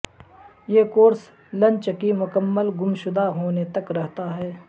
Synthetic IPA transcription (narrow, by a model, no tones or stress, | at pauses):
jeːkoːɾs | lɐ̃ɲt͡ʃkimʊkəmːəlɡʊmʃʊd̪aɦoːnet̪ɐkɾɛɦt̪aɦɛː